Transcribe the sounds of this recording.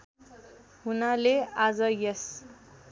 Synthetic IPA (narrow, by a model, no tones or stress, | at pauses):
hunalead͡zʌjʌs